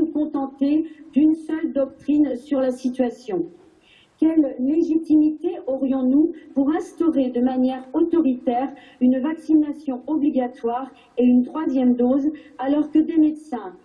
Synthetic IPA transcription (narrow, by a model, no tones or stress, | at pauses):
ukɔ̃t̪ɑ̃t̪ed̪ynsœld̪ɔk̚t̪χinsyʁlasit̪ɥasjɔ̃ | kʲɛlːeʒit̪imit̪eʔɔʁjɔ̃nupuʁɛ̃st̪ɔʁed̪əmanjɛʁot̪ɔʁit̪ɛʁ | ynvaksinasjɔ̃ɔbliɡʲat̪waʁ | eynt̪χwazjɛmd̪ozalɔʁkəd̪emed̪sɛ̃